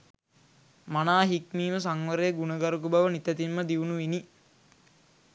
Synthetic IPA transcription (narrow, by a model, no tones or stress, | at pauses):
manaːɦikniːməs̬aŋʋəɾejɡunəɡaɾukubaʋənit̪æt̪imːəd̪iunuʋini